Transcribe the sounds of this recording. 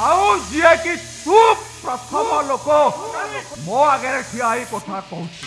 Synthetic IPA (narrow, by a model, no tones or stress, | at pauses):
aũd͡ʒiekitʰuppɾɔt̪ʰɔmɔloko | mɔ̃aɡɛɾeʈʰiaikɔt̪ʰakɔɦũt͡ʃʰi